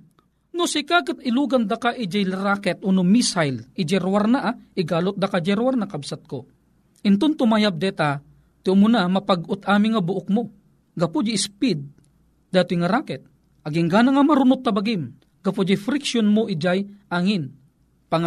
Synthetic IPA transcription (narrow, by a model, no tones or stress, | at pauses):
nʊsɪkakɨt̪ɪluːɡand̪akaʔɪd͡ʒajlaɾaːkɛt̪̚ʔunʊmisajlɪd͡ʒɛɾwaɾnaʔaʔɪɡaːlʊt̪̚d̪akad͡ʒɛɾwarnakabsat̪̚ko | ʔɪnt̪ʊnt̪ʊmajap̚d̪ɛt̪a | t̪ɪʊmʊnamapaɡʊt̪aːmɪŋabʊʔʊk̚mo | ɡɐpʊd͡ʒispid̪̚ | d̪aːt̪ɪŋaɾaːkɛt̪̚ | ʔaɡɪŋɡaːnaŋamaɾʊnʊt̪̚ːɐbaɡɪm | ɡɐpʊd͡ʒajfɾɪkʃjonmʊʔɪd͡ʒajʔaŋɪn | paŋ